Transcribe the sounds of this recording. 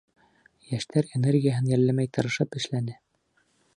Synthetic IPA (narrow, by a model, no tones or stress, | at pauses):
jæʃt̪æɾenerɡʲijaɦɤnjæɾlæmæjt̪ɤ̆ɾɤ̆ʃɤpɘ̆ʃlænɘ